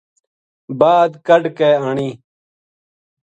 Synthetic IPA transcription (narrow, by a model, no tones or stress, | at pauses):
baːd̪kɐɖkeːaɳiː